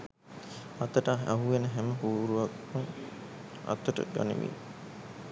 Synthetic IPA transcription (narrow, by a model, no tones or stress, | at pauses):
ɐt̪əʈaaɦuʋenəɦæməɦuːɾuʋakmuŋ | ɐ̰t̪əʈə̰ɡa̰nḭʋḭ